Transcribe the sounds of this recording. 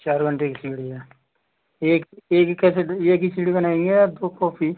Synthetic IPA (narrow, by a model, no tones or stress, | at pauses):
t͡ʃaːɾɡəɳʈeːksiːɽiɦɛː | eːkeːkkːɛːseeːkisiɽibənaːẽːŋɡed̪oːkɔːpʰi